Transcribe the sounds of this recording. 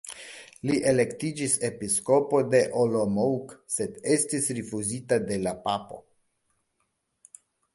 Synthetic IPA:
liʔe̞le̞ktid͡ʒise̞pisko̞po̞de̞ʔolomowkse̞de̞stisɾifuzitade̞lapapo̞̰

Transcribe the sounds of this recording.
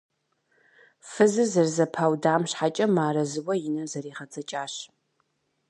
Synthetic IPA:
fɨzɨzɐrzɐpʰaːwdaːmɕħat͡ʃʼɐmaːɾɐzɨwɐjɪnɐzɐriːʁɐt͡sʰʼɐt͡ʃʼaːɕ

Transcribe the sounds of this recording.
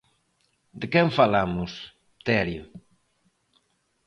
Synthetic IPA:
d̪ɪkɛɱfalamʊs | t̪ɛɾjʊ

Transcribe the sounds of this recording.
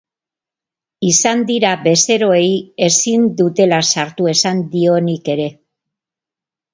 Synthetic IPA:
isand̪iɾaβe̞se̞ɾo̞eje̞sind̪ut̪e̞lasaɾt̪ue̞sand̪io̞nike̞ɾe̞

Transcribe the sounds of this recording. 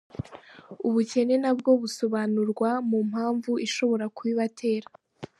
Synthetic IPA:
uβuce̞ne̞nabɡo̞βuso̞βanuɾɡwamum̥haːɱvuʔiʃo̞βo̞ɾakuβiβatʰe̞ːɾa

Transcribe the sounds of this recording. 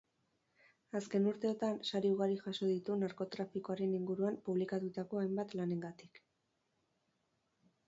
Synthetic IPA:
aske̞nuɾt̪e̞ot̪ansaɾiuɣaɾiʝaso̞ðit̪unaɾko̞t̪ɾafiko̞aɾe̞niŋɡuɾuampuβ̞likat̪ut̪ako̞ajmbat̪lane̞ŋɡat̪i̥k

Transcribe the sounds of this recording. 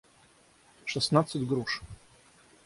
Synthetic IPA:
ʂɛst̪nat̪sɛd̪ɡɾuʂ

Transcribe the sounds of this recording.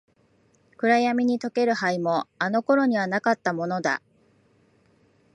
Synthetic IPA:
kɯ̟ɾajamʲiɲ̟it̪o̞ke̞ɾɯ̟haimo̞ano̞ko̞ɾo̞ɲ̟iβanakat̪ːamo̞no̞d̪a̰

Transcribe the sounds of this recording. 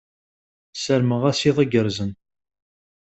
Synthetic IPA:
səɾməʁæsiðˤəɡəɾzən

